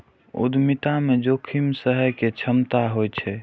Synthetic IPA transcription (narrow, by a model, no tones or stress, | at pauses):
ṵd̪mit̪amed͡ʒokʰimsəɦəjket͡ʃʰəmt̪aɦojt͡ʃʰɛ